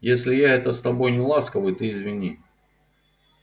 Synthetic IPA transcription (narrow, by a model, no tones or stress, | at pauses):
jesʲlʲɪjaɛt̪əst̪ɐbo̞jnʲɪlˠaskəvəjʊt̪ɨɪzvʲɪnʲi